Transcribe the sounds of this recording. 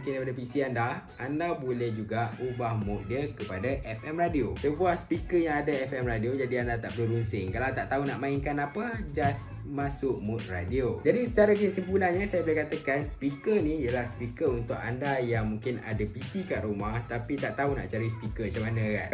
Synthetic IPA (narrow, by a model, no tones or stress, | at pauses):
ŋkɪndajpadapisianda | andabolɛhd͡ʒuɡaubahmuʔ̪̚diəkəpadaʔɛfɛmradiosəbuahspikəjaŋadaɛfɛmradiod͡ʒadiandat̪aʔbəɾunsɪŋkalawt̪aʔt̪aunaʔmaiŋkanapəd͡ʒas | masʊʔmut̪̚ra̰diod͡ʒadisə̥t͡ʃaɾak̬inisəmpulanɲəsajabolɛhkat̪akanspikənijəlahspikəunt̪ʊka̰ndajaŋmũŋkɪna̰dapisikaʔɾumaht̪apit̪aʔt̪auna̰ʔt͡ʃaɾis̬pikət͡ʃamanə̃ka̰n